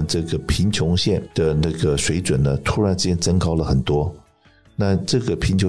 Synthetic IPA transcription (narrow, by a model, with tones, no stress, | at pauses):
nʈ͡ʂɤ˥˩ɡə˩pʰi˧˥nt͡ɕʰjʊ˧˥ŋɕjɛ˥˩nd̪̥ə˩na˥˩ɡə˩ʂwe˧˥ɪt͡swə˨˩nnə˦t̪ʰu˧˥ɻa˧˥nʈ͡ʂ̩˥˧˩t͡ɕjɛ˥˩nt͡sə˥ŋkɑ˥ʊlə˨xə˨˩nt̪wɔ˥ | na˥˧ʈ͡ʂɤ˥˩ɡə˩pʰi˧˥nt͡ɕʰj